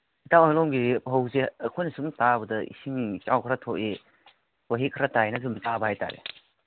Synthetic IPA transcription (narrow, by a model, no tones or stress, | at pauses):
itawalɔmɡiɦowseɐkʰɔjnɐsumtabɐdɐḭsiŋt͡ʃa̰wkʰɾatʰɔʔe | waɦikʰɾatajnɐzumtabɐhajta̰ɾḛ